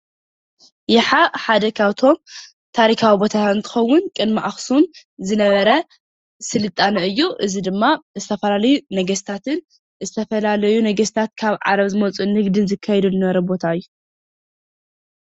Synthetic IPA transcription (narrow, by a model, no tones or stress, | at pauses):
jɪħaħad̪ɐkʰawt̪ʰo̞m | t̪ʰaɾikʰawibo̞t̪ʰaɨnt̪ʰɨ̥xɐwːʊnkʼɨnmaʔaxsum | zɨnɐβɐɾɐ | sɨlɨt̪ʼːanɐʔɨjːuʔɨzid̪ɨmːazɨt̪ʰɐfɐlalɐjunɐɡɐst̪ʰat̪ʰɨn | zɨt̪ʰɐfɐlalɐjunɐɡɐst̪ʰat̪̚kʰaβʕa̰ɾɐβzɨmɐt͡sʼunhɨɡd̪ɨnzɨkʰːajɛd̪ulɨnɐβɐɾɐbo̞t̪ʰaɨjːu